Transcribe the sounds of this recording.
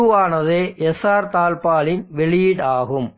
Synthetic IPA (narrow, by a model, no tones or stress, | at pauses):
ɯʋaːnɐðeːɛsaːɾt̪aːlpaːlɪnʋɛɭɪɽaːɣɯm